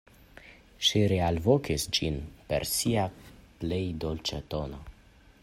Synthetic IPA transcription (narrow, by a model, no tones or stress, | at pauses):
ʃiɾealvokisd͡ʒinpe̞̰ɾsiaplejd̪olt͡ʃat̪o̞no